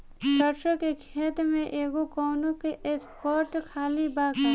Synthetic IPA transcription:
ʃɐɾʃõkekʰeːt̪mẽʔeːɡokɔːnõkeʔespɔːɾʈkʰaːlibaːka

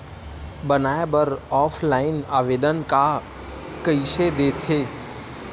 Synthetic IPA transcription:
bənaːebəɾɔːpʰlaːɪnaːʋeːd̪ənka | kəised̪eːt̪ʰeː

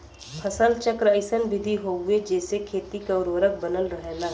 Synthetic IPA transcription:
pʰəsəlt͡ʃəkɾəɪsənbɪd̪ʱiɦoːɡued͡ʒɛːsekʰeːt̪ikaʊɾoɾək̚ʰbənəlɾəɦelaː

